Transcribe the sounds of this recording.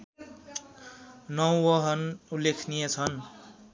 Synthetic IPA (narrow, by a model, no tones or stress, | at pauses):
nʌwwʌɦʌnulːekʰnijet͡sʰʌn